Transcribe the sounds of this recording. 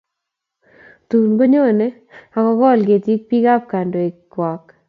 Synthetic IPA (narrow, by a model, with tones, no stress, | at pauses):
t̪u˨nɡo˦ɲo˦nɛ˦ | a˨kɔ˨kɔ˦˨lɡe˨ti˦k̚pi˦ka˦p̚ka˨ndo˨i˨kwa˨k